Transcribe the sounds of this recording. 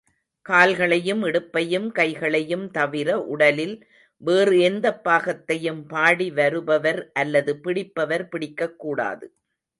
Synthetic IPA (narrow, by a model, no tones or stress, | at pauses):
kaːlɣɐɭɐjɯmɛɽɯpːɐjɯmkɐɪɣɐɭɐjɯmt̪ɐʋɪɾɐʔʊɽɐlɪl | ʋeːrɯɛnd̪ɐpːaːɣɐt̪ːɐjɯmpaːɽiʋɐɾɯbɐʋɐɾʔɐlːɐðɯpɪɽɪpːɐʋɐɾpɪɽɪkːɐkːuːɽa̰ːðɯ